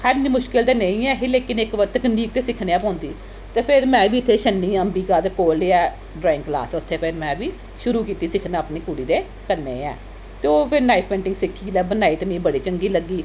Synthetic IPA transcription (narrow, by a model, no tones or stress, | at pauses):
kʰəɾniːmʊʃkɪlt̪eːnẽĩːɛːɦeːleːkɪnɪkʋət̪ːəkəniːk̚t̪eːsɪkʰneːaːp̬ãːnd̪iː | t̪eːpʰɪɾmɛ̃ːʋiːɪt̪ʰːeːʃənːĩːəmbiːkaːd̪ekoːleɛː | ɖɾaːɪ̃ŋkla̰ːsɛʊt̪ʰːeːpʰɪɾmɛ̃ːbiː | ʃʊɾuːkiːt̪iːsɪkʰnaːəpneːkuɽiːd̪eː | kəɾnḛːɛ̰ː | t̪eːoːpʰɪɾnaːipʰpẽːɳʈɪ̃ŋɡsɪkʰːiːlɛːbənaːiːt̪emĩːbəɽiːt͡ʃəŋɡiːləɡːiː